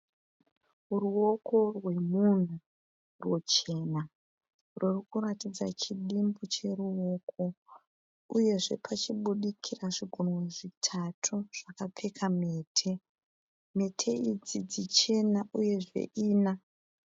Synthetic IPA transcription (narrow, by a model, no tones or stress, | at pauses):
ruo̞ko̞rwe̞mun̤u | rwot͡ʃe̞na | rʔurikuratid͡zat͡ʃiɗimbut͡ʃe̞ruo̞ːkʰo̞ | uje̞ʐe̞pʰat͡ʃiɓuɗikʰiraʐiɡʱoneʐitʰatʰuʐ̥akap͡fekʰame̞ːtʰe̞ | me̞tʰe̞id͡zid͡zit͡ʃe̞naʔuje̞ʐe̞̰ʔiːna